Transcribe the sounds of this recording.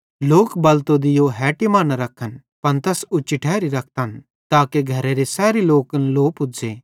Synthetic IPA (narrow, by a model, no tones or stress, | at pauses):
loːkbɐlt̪od̪ɪjoɦɛːʈimãːnaɾɐkʰːən | pɐnt̪ɐsut͡ʃɪʈʰɛːɾiɾɐk̚ʰt̪ən | t̪aːkeɡʱɐɾeɾesɛːɾiloːkənloːpʊd͡zeː